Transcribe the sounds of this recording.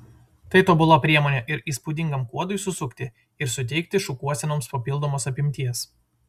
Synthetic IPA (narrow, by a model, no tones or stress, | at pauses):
t̪ɐɪt̪oːbʊlˠoːpʲɾʲiɛmoːnʲeːʔɪɾiːspʊd̪ʲɪŋɡɐmkuɔd̪ʊɪsʊsʊkt̪ʲɪ | ɪɾsʊt̪ʲɛɪkt̪ʲɪʃʊkuɔsʲɛnoːmspɐpʲɪlˠd̪oːmoːsɐpʲɪmʲt̪ʲiɛs